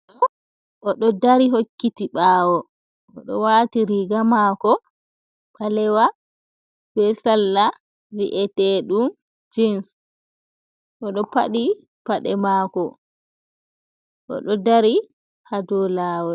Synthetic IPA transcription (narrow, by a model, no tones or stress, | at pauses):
ɔ | ʔɔɗɔdaɾiɦokːitiɓaːwɔ | ʔɔɗɔ̰waːtiɾiɡamaːkɔ | ɓalɛwa | b̥ɛsalːa | wiʔɛtɛɗum | d͡ʒins | ʔɔɗɔpa̰ɗi | paɗɛmaːkɔ | ʔɔ̰ɗɔdaɾi | hadɔlaːwɔ